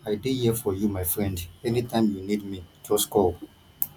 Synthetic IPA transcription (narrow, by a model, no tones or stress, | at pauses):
aɪdihifɔjumaɪfɹɛ̃ndɛnitʰãɪ̃mjunid̚mid͡ʒɔskʰɔl